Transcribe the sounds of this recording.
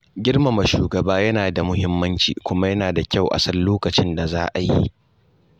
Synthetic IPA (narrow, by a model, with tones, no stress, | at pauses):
ɡʲɪ˦rma˨mɐ˨ʃuː˨ɡɐ˨baː˦jɐ˦naː˨da˨mʊ˦hɪ˦mːɐ˦nt͡ʃḭː˨kʷʊ˦ma˦jɐ˦naː˨da˨kʲa˦˨wʔa̰˨sɐ˦lloː˦kɐ˨t͡ʃɪ˦nda˨za̰ː˦ʔa˨jḭ˦ʔ